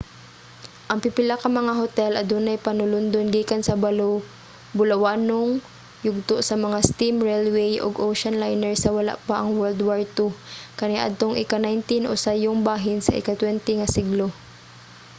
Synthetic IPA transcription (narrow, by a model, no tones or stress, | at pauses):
ʔɐŋpɪpɪlakɐmɐŋaɦot̪ɛlʔɐd̪unɐjpɐnʊlʊnd̪onɡiːkansɐbal | bʊlɐwaːnoŋ | jʊɡ̚t̪oʔsɐmɐŋast̪imɹɛlwɛjʔo̰ɡʔowʃɐnlajnɛɹsɐwɐla̰ʔpaʔɐŋwɛld̪waɹt̪ukɐnaʔɐ̰d̪̚t̪oŋʔɪkanajnt̪ɪnʔo̰sajoŋbaːɦɪnsɐ̰ʔɪ̰kat̪wɛnt̪ɛŋɐsɪɡlo